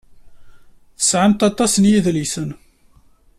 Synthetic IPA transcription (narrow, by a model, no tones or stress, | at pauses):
θə̥sʕant̪ɑt̪ˤɑsnjiðlisən